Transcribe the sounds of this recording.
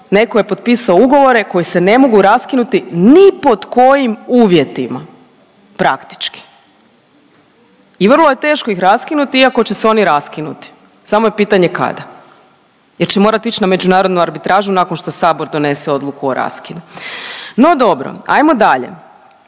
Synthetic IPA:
ne̞koje̞po̞d̪̚piːsaouɡo̞ʋo̞ɾe̞ko̞jisene̞mo̞ɡuɾaskinut̪inipo̞d̪ko̞jimuːʋje̞t̪ima | pɾa̰kt̪i̥t͡ʃki̥ | iʋrlˠoje̞t̪e̞ːʃko̞ixɾaskinut̪iiako̞t͡ɕe̞seo̞niɾaskinṵt̪i̥ | samojepiːt̪aɲe̞ka̰d̪a | jeɾt͡ɕemo̞ɾat̪it͡ɕname̞d͡ʒunaːɾo̞d̪nuaɾbit̪ɾaːʒunakonʃt̪o̞saːbo̞ɾd̪o̞ne̞seo̞d̪lˠukuoɾa̰skinu | no̞d̪o̞bɾo̰a̰jmo̞d̪aʎḛ

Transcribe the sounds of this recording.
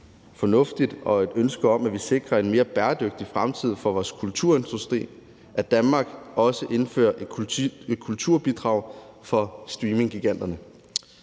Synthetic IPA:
fɒ̽nɔ̽fd̥id̥ɒ̽e̝d̥ønsɡ̥ɐɒ̽m̰æʋise̝ɡ̥ʁɐe̝nme̝ːɐb̥æːɐd̥øɡ̥̚d̥ifʁamt͡sʰið̞̰ˠfɒ̽ʋɒːskʰult͡sʰuɐe̝nd̥ʁusd̥ʁḭː | ʔæd̥ænmɑ̈ːɡ̥ɒ̽səʔe̝nfø̰ːɐʔe̝d̥ʰkʰult͡sʰuɐ̰b̥id̥ʁɑ̈ʊfɒ̽sd̥ʁiːme̝ŋɡ̥iɡ̥æn̰d̥ɐnə

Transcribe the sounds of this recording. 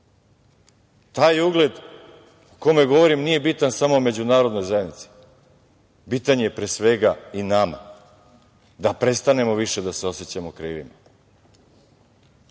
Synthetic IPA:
t̪aːjuɡle̞d̪ | ukomeɡo̞ʋo̞ɾimnije̞bit̪ansamome̞d͡ʑunaːɾo̞d̪no̞jzajed̪nit̪si̥ | bit̪aɲejepɾesʋe̞ɡainama̰ | d̪apɾe̞st̪ane̞mo̞ʋiʃe̞d̪aseo̞se̞t͡ɕamo̞kɾiːʋḭma̰

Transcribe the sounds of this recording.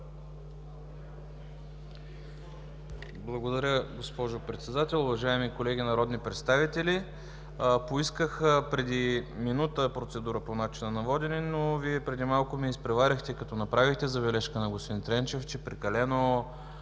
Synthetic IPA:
blˠɐɡod̪ɐɾʲəɡospɔʒopɾɛt̪sɛd̪at̪ɛlˠʊvɐʒaɛmikolɛɡ̟ʲinɐɾɔd̪nipɾɛt̪st̪avit̪ɛli | poiskəxəpɾɛd̪iminut̪əpɾot̪sɛd̪uɾəponat͡ʃinənɐvɔd̪ɛninoviɛpɾɛd̪imalˠkʊmiːspɾɛvaɾʲəxt̪ɛkɐt̪ɔnɐpɾavixt̪ɛzɐbɛlɛʃkənɐɡosint̪ɾɛnt͡ʃɛft͡ʃɛpɾɛkɐlɛno

